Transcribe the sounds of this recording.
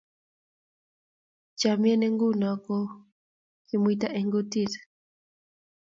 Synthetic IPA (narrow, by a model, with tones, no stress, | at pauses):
t͡ʃa˨m˦ɛ˦nɛ˦ŋɡu˦na˨kɔ | kimuit̬a˦ʔɛ˨ŋɡu˦tiɾḁ